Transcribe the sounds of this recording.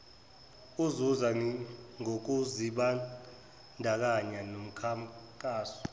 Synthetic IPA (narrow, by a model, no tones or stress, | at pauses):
uzuzaŋok̬uziɓa | ndʱak̬aɲanom̩kʰakʼaːsɔ̥